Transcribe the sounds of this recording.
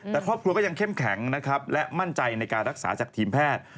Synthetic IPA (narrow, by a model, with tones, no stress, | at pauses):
t̪ːɛː˨˩kʰɾɔː˥˩p̚kɾu˧kːja˧ŋkʰe˥˩mkʰɛ˩˦ŋna˦˥kʰa˦˥p̚lɛ˦˥ma˥˩nt͡ɕa˧jna˧jkaː˧nɾa˦k̚saː˩˦t͡ɕaː˨˩k̚t̪ʰiː˧mpʰɛː˥˩t̪̚